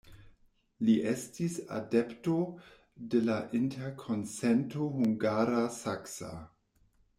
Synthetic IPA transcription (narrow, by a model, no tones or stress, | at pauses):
liʔestisa̰depto | delaʔintʰeɾkʰonsentoɦuŋɡaɾasaksa̰